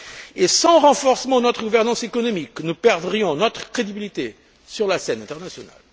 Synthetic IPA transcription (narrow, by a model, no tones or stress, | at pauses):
esɑ̃ʁɑ̃fɔʁsəmɑ̃nɔt̪χəɡuvɛʁnɑ̃sekɔnɔmiknupɛʁd̪ʁijɔ̃nɔt̪χə̥kχed̪ibilit̪e | syʁlasɛnɛ̃t̪ɛʁnasjɔna̰l